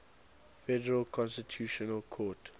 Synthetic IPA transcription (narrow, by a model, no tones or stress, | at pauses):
fɛdəɹəlkʰɔ̃nstitʰjuʃɔnəlˠkʰɔt